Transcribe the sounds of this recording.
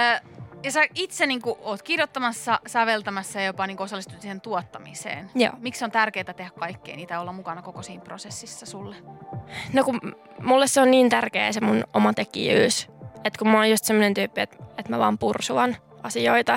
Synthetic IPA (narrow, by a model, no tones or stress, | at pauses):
jɑsæit̪seniːŋkuʔoːt̪kirjot̪ːɑmɑsːɑsæʋelt̪æmæsːɑjopɑniːŋkuosɑlːist̪u̥t̪sihent̪uot̪ːɑmḭsḛːnjo̰ːmiksont̪ærkeːt̪æt̪ehækkɑikːeiniːt̪æolːɑmukɑnɑkokosiːmprosesːisːɑsulːe | noku | mulːesseonniːnt̪ærkḛːsemunomɑt̪ekḭjy̰ːset̪kummɑojust̪semːonent̪yːpːiet̪et̪mæʋɑːmpursuɑn | ʔɑsioit̪ɑ